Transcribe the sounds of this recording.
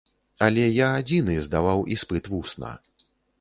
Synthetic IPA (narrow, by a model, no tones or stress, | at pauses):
alʲɛjaːd͡zʲinɨzd̪avawispɨt̪vusna̰